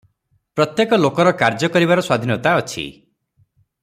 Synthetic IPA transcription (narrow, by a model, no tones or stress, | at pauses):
pɾɔt̪jekɔlokɔɾɔkaɾd͡ʒɔkɔɾiβaɾɔswad̪ʱinɔt̪aɔt͡ʃʰḭ